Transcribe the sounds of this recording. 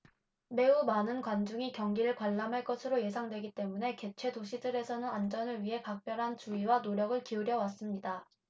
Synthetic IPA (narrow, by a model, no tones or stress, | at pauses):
me̞umanɯnkwand͡ʑuŋikjʌŋɡiɾɯɭkwaɭːamɦaɭk͈ʌsʰɯɾoje̞sʰaŋdwe̞ɡit͈e̞mune̞ke̞t͡ɕʰwe̞doɕʰidɯɾe̞sʰʌnɯnand͡ʑʌnɯɭɥiɦe̞pak̚p͈jʌɾɦant͡ɕuiwanoɾjʌɡɯɭkiuɾjʌwas͈ɯmɲida